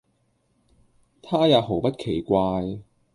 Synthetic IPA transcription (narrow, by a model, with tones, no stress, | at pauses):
t̪ʰaː˥jaː˨˧wɦo˨˩wpɐ˥t̚kʰe˨˩jkʷaː˧j